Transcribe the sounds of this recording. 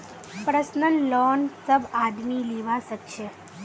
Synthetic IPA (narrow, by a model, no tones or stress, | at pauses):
pɾəsnənlɔnsəbad̪miliʋasəkʃe